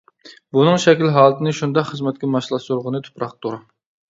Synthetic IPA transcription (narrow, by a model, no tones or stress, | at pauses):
bunɨŋʃɛkʲlɦɑːlˠɨt̪ʰɨnɨʃund̪ɑqχəzmɛt̪̚ʲkʲɛmɑʃlˠɑʃuɾʁənɨt̪ʰu̥pɾɑq̚t̪ʰoɾɑ